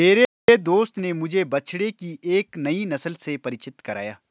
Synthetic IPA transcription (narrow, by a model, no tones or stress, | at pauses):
meːɾe | ed̪oːst̪nemʊd͡ʒʱebɐt͡ʃɽekiʔeːknɐinɐsəlsepɐɾɪt͡ʃɪt̪kɐɾa̰ːjaː